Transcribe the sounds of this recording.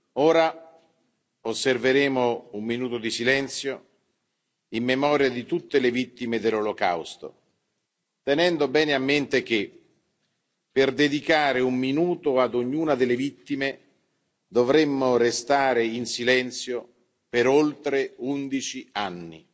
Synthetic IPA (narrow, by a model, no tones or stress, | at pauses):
oːɾa | osːerveɾeːmoumːinuːt̪od̪isilɛnt̪sjo | imːemɔːɾjad̪it̪ut̪ːelevit̪ːimed̪elːoloka̰wst̪o̰ | t̪enɛnd̪obɛːneamːent̪ek̟e | pːerd̪ed̪ikaːɾeumːinuːt̪oad̪oɲːuːnad̪ɪlːevit̪ːime | d̪ovɾemːorest̪aːɾeinsilɛnt̪sjo | peɾolt̪ɾeund̪it͡ʃianːḭ